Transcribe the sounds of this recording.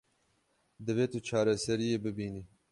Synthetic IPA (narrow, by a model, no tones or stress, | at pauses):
d̪ɨveːt̪ut͡ʃʰɑːɾasɐɾijeːbɨbiːniː